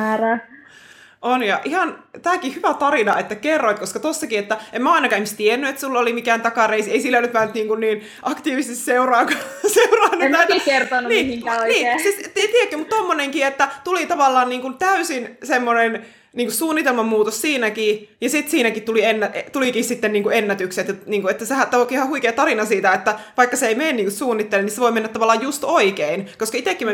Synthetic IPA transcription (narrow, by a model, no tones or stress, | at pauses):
æræ | ʔonjɑʔihɑnt̪æːkihyʋæt̪ɑrinɑet̪ːækerːoit̪koskɑt̪osːɑkiet̪ːæemæɑinɑkɑimist̪ienːyet̪sulːolimikæːnt̪ɑkɑreiseisilːelːyt̪mænyt̪niːŋkunniːn | ʔɑkt̪iːʋiset̪iseurɑːŋkɑseurɑːnːuætːkert̪onːuniːiŋkæoiniːsist̪et̪iekːømut̪t̪omːoneŋkiet̪ːæt̪ulit̪ɑʋɑlːɑːnniːŋkunt̪æysinsemːonen | niːŋkussuːnːit̪elmɑmmuːt̪ossiːnækijɑsit̪siːnækitt̪ulienːæet̪ulikissit̪ːenniːŋkuenːæt̪ykset̪jɑniːŋkuet̪ːæsehæt̪ːæokːihɑhuikeːt̪ɑrinɑsiːt̪æet̪ːæʋɑikːɑseeimeːnniːŋkussuːnːit̪ːeleniseʋoimenːæt̪ːɑʋɑlːˑɑːjjust̪oikeinkoskɑit̪ekːim